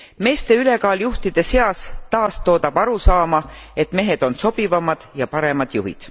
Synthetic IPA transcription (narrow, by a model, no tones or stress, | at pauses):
me̞ːst̪e̞yle̞kɑːljuht̪id̪̥e̞se̞ɑst̪ɑːst̪o̞ːt̪ɑb̥ɑɾusɑːmɑe̞t̪me̞ɦe̞d̪̥o̞nso̞b̥ivɑmɑd̪̥jɑpɑɾe̞mɑd̪̥juɦḭd̪̥